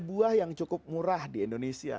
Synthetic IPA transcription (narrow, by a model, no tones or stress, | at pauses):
buahjaŋt͡ʃukʊp̚muɾahdiindonesia̰